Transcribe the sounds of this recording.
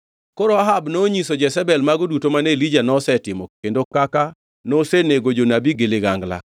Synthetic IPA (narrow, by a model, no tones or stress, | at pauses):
koɾoaɦabnoɲisod͡ʒɛsɛbɛlmaɡodutomanelid͡ʒanɔsɛtɪmɔendokaka | noseneɡod͡ʒonabiɡeleɡaŋɡla̰